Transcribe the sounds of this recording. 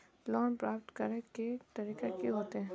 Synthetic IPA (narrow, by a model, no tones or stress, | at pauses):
lɔːnpɾaːpʈkɐɾneket̪ɐɾiːkekiɦoːt̪eɦɛ̃